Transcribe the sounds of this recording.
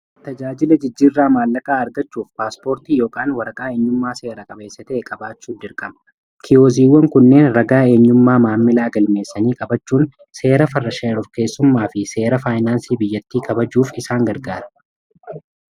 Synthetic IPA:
t̪ɐd͡ʒaːd͡ʒɪlɐd͡ʒɪd͡ʒːiːrːaːmaːlːɐkʼaːɐɾɡɐt͡ʃːuːfpaːspo̞ːɾt̪iːjo̞ːkʼaːnwɐɾɐkʼaːeːɲːʊmːaːse̞ːɾɐkʼɐbe̞ːsːɐt̪ɛʔɛkʼɐbaːt͡ʃːuːd̪ɪɾkʼɐmɐ̥ | kʰɪjoːziːwːɐŋkʊnːe̞ːnɾɐɡaːe̞ːɲːʊmːaːmaːmːɪlaːɡɐlme̞ːsːɐniːkʼɐbɐt͡ʃːuːn | se̞ːɾɐfɐrːɐʃɐɾɔfke̞ːsːʊmːaːfɪse̞ːɾɐfaːjnaːnsiːbɪjːɐt̪ːiːkʰɐbɐd͡ʒuːfɪsaːŋɡɐɾɡaːɾɐ̥

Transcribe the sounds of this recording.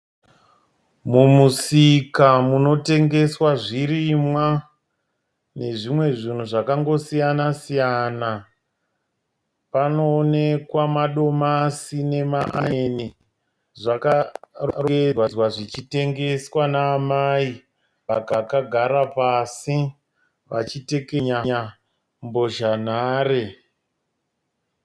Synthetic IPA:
mumusikamuno̞te̞ŋɡe̞swaʐiɾimwa | ne̞ʐimwe̞ʐin̤uʐakaŋɡo̞sijanasijana | panoːne̞kwamaɗo̞masine̞maʔani | ʐakarewawaʐit͡ʃite̞ŋɡe̞swanaːmai | pakakaɡʱaɾapasi | ʋa̰t͡ʃite̞keɲaɲa | mbo̞ʒan̤aːɾe

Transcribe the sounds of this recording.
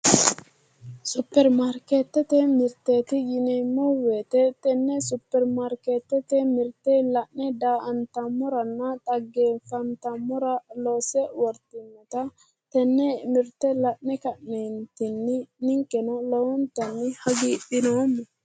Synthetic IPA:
sʊpːɛɾmaɾket̪ːɛt̪ɛmɪɾt̪ːeːt̪ɪjɪnɛmːɔweːt̪ɛt̪ɛnːɛsʊpːɛɾmaɾkeːt̪ːɛt̪ɛmɪɾt̪ɛlɐnːɛd̪aːʔɐnt̪ɐmːɔɾɐnːɐt̪ʼɐɡːeːfɐnt̪ɐmːɔɾɐloːsɛwɔɾt̪ɪmːɔt̪ɐ | t̪ɛnːɛmɪɾt̪ːɛlɐʔːɛkɐʔnent̪ɪnːɪnɪŋkːɛnɔlɔwɔnt̪ɐnːɪhɐɡiɗɪnoːmːɔ

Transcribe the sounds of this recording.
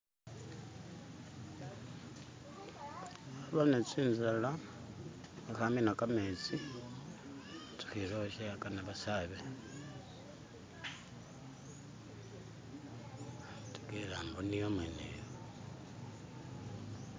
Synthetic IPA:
aβanet͡siːnzala | axaminakamet͡si | tu̥xiɾoʃakanaβasaβe | tu̥kelaːmbonijomwenḛjo

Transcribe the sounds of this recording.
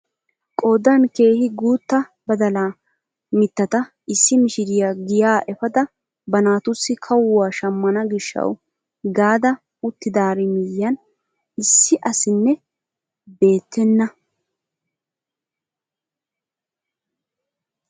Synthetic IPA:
kʼoːd̪ɐnke̞ːhɪɡuːt̪ːɐbɐd̪ɐlaː | mɪt̪ːɐt̪ɐ | ɪsːɪmɪʃɪɾɪjaɡɪjaːʔɛfɐd̪ɐ | bɐnaːt̪ʊsːɪkʰɐwwaːʃɐmːɐnɐɡɪʃːɐ̰w | ɡaːd̪ɐ | ʊt̪ːɪd̪aːɾɪmɪjɐn | ɪsːɪʔɐsɪnːɛ | be̞ːt̪ːɛnːɐ

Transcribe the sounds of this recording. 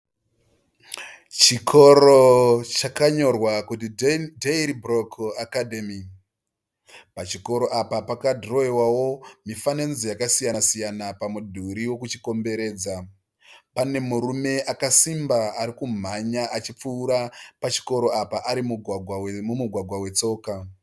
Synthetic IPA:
t͡ʃikʰo̞ɾot͡ʃakaɲo̞rwakutidʱeiɾibrokakadʱemi | pat͡ʃiko̞ɾo̞ʔapapakadʱro̞ewawo̞mifane̞nzijakasijasijanapamudʱuɾiwo̞kut͡ʃiko̞mbe̞ɾe̞ːd͡za | pane̞muɾume̞ʔakasimbaaɾikum̤aɲaʔat͡ʃip͡fuːɾapat͡ʃi̥ko̞ɾo̞apaʔaɾimumumuɡʱwaɡʱwawe̞t͡so̞ːka

